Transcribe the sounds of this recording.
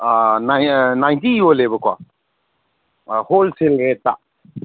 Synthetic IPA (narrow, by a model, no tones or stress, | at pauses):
nanajntijolebəkwa̰ | holselɡɾetːa